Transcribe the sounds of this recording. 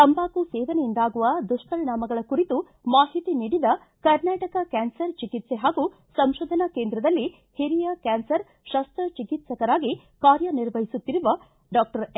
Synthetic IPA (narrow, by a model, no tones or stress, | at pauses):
t̪ɐmbaːkusɛːʋɐnɛjind̪aːɡuʋɐd̪uʂʈɐɾnaːmɐɡɐɭɐkuɾit̪u | maːɦit̪iniːɽid̪ɐ | kɐɾnaːʈɐkɐkaːnsɐɾt͡ʃikit̪seɦaːɡu | sɐmʃoːd̪ʱɐnɐkeːnd̪ɾɐd̪ɐlːi | hiɾijɐkaːnsɐɾ | ʃɐst̪ɾɐt͡ʃikit̪sɐkɐɾaːɡi | kaːɾjɐniɾʋɐɦisut̪ːiɾuʋɐ | ɖaːk̚ʈɐɾ